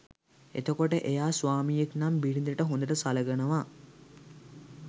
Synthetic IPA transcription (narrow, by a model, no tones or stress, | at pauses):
ḛt̪əkoʈəʔejaːsʋaːmijeknambilind̪əʈəɦond̪əʈəsaləɡənəʋa